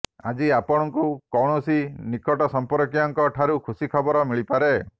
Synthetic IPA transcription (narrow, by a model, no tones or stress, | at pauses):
a̰d͡ʒiapɔɽ̃ɔŋkukɔwɽ̃ɔsinikɔʈɔsɔmpɔɾɔkijaŋkɔʈʰaɾukʰusikʰɔbɔɾɔmiɭipaɾe